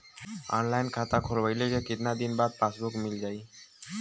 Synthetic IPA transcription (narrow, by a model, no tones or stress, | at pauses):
ɔ̰nlajnkʰat̪akʰolbəjlekekɪt̪nad̪inbad̪̚pasbukmild͡ʒaːj